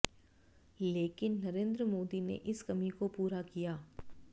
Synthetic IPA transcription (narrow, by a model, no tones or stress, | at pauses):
leːkɪnːɐɾẽːnd̪ɾəmoːd̪inḛʔɪskɐmikopuːɾakijaː